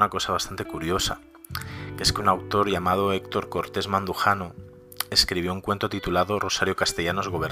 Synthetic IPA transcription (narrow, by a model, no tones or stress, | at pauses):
nako̞saβast̪ant̪ekuɾjo̞sa̰ | kee̞skeunawt̪o̞ɾʝamað̞oekt̪o̞ɾko̞ɾt̪e̞zmãnd̪uxano̞ | e̞skɾiβ̞jo̞uŋkwe̞nt̪ot̪it̪ulaðo̞ro̞saɾjo̞kast̪e̞ʎano̞zɣo̞βeɾ